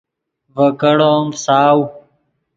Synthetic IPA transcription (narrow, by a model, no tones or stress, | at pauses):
vəkəɽoːmsaːw